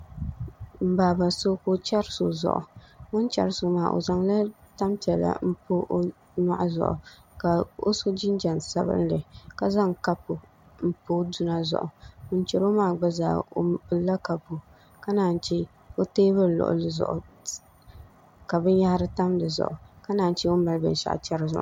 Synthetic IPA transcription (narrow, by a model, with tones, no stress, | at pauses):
m̩˨baː˨ba˨so˦ko˦t͡ʃa˦ɾso̰˨zɔ̰˨ʔʊ̰˨ŋʊ˦nt͡ʃa̰˨ɾsʊ˨maː˦˨ʔo̰˨za˨ŋla˦ta˦mpi˨ɛ˨la̰˨m̩˦po˦ʔ | na˦˨ʔzʊ̰˨ʔʊ̰˨ka˨o̰˦so˦d͡ʒɪ˦n˦d͡ʒa˨nsa˦bɨ̰˦n˦lɨ˨ka˦za˦ŋka˦pʊ˨ | m̩˦po˦du˦na˦zʊ̰˦˨ʔʊ˨ʊ˦n˦t͡ʃɛ˨ɾo˦maː˦˨ɡ͡ba˦za̰ː˨o˨˦bɨ˨˦la˦ka˨po˨ | ka˦naː˨n˦t͡ʃɛ˦ | o˦teː˦bɨ˦ɾlʊ̰˨ʔʊ̰˦lɨ˨zʊ̰˨ʔʊ˨ | ka˨bɨ˦n˦ja˦ha˦ɾɨ˦ta˦mdɨ˨zʊ̰˨ʔʊ˨ka˦naː˨n˦t͡ʃɛ˦o˦ma˨lbɨ̰˨n˨ʃa̰˨ʔt͡ʃɛ˦ɾɨ˦zʊ̰˨ʔ